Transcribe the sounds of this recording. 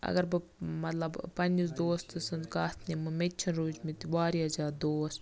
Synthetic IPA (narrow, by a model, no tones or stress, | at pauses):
ɐ̰ɡɐɾbɨmɐt̪lɐbpɐnʲd͡ʒisd̪oːst̪ɨsɐnt̪kaːt̪ʰnʲimɨmetʲt͡ʃʰɐnɾuːd͡ʒmit̪ibaːɾiɐzaːɾd̪oːs